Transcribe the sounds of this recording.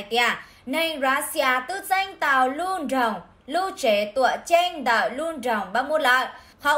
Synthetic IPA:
t̪i˧aː˧˩ | nə˧ŋɾaː˨˦si˧aː˧˩t̪ɨ˦˥t̚za˧jŋ̟t̪a̰ː˧˩˨wlu˧ənzə˨˩wŋ͡m | lu˧t͡ɕe˨˦t̪ṵ˧˨ə˨t͡ɕe˧nd̪əː˧˨˩lu˧ənzə˨˩wŋ͡mɓaː˧mu˧˦la˧˨ʔ | xə˧˨

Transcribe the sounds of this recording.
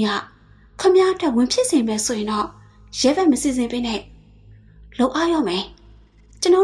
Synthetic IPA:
ja̰˦˨ | kʰə˦˨mja˦ʔə˦twɛ˦˨wɪ̃˨mpʰjɪ˦ʔsẽ˨mɛ˨so˨jɪ̃˨ndɔ˦˨ | jɛ˨˦bɛ˦ʔməsi˨zɪ̃˨mpe˦nɛ˦˨ | lo˦ʊʔa˦jɔ̰˦˨mɛ˨ | t͡ɕə˨nɔ˦

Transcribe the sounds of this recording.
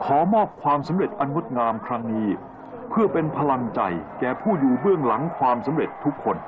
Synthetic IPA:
kʰɔː˩˦mɔː˥˩p̚kʰwaː˧msa˩˦mɾe˨˩t̪̚ʔa˧nːo˦˥t̪̚ŋaː˧mkʰɾa˦˥ŋniː˦˥ | pʰɯ˥˩ɐpe˧npʰa˧la˧ŋt͡ɕa̰˨˩jkɛː˨˩pʰuː˥˩juː˨˩bɯ˥˩əŋla˩˦ŋkʰwaː˧msa˩˦mɾe˨˩t̪ʰːu˦˥kʰːo˧n

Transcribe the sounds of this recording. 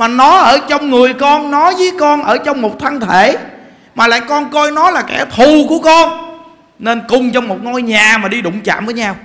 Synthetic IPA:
maː˨˩nɔ˨˦ʔəː˧˩t͡ɕɔ˧wŋ͡mŋɨ˨˩əjkɔ˧nːɔ˨˦zə˨˦jkɔ˧nʔəː˧˩t͡ɕɔ˧wŋ͡mmo˨˩t̚t̪ʰa˧nt̪ʰe˧˩˨ | maː˨˩la̰ː˧˨jkɔ˧nkɔ˧jnɔ˨˦laː˨˩kɛ̰˧˩t̪ʰu˨˩ku˧˩əkɔ˧n | ne˧nkʊ˨˩ŋ͡mt͡ɕɔ˧wŋ͡mmo˨˩t̚ŋɔ˧jɲaː˨˩maː˨˩ɗi˧ɗʊ̰˧˨ŋ͡mt͡ɕa̰ː˧˨mvəː˨˦jɲaː˧w

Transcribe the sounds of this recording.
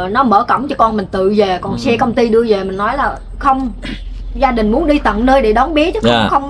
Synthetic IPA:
nɔ˨˦məː˧˩kə̰˧˩wŋ͡mt͡ɕɔ˧kɔ˧nmï˨˩ŋ̟t̪ɨ̰˧˨veː˨˩kɔ˨˩nsɛ˧kə˧wŋ͡mt̪i˧ɗɨ˧əve˨˩mï˨˩ŋ̟nɔ˨˦jlaː˨˩ | xə˧wŋ͡m | zaː˧ɗï˨˩ŋ̟mu˨˦ənɗi˧t̪ə̰˧˨nnəː˧jɗe˧˩ɗɔ˨˦nɓi˨˦˥ət͡ɕə˨˦ə˧wxə˧wŋ͡m

